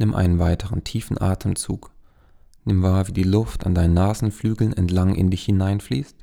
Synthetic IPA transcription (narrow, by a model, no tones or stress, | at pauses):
nɪmʔa̰ɪnənvaɪtʰəʁəntʰiːfn̩ʔa̰ːtʰəmt͡sṵːk | nɪmvaːɐviːdiːlʊfta̰ndaɪnənaːzn̩flyːɡl̩nɛ̰ntlaŋʔɪ̰ndɪçhɪnaɪnfliːst